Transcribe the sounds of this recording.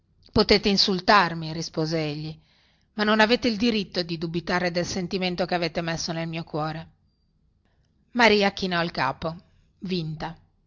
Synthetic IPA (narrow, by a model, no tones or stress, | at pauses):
pot̪eːt̪einsult̪armirispoːzeeʎːi | manːonaveːt̪eild̪iɾit̪ːod̪id̪ubit̪aːɾed̪elsent̪iment̪okeaveːt̪emesːonelmiːokwɔːɾe | maɾiːakinɔlka̰ːpo | vint̪a